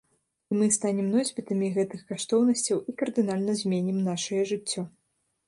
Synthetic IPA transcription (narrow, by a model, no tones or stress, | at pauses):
imɨst̪anʲɛmnɔzʲbʲit̪ɐmʲiɣɛt̪ɨxkaʂt̪ɔwnɐsʲt͡sʲɐwikɐrd̪ɨnalʲnɐzʲmʲenʲimnaʂɐjɐʐɨt͡sʲːɔ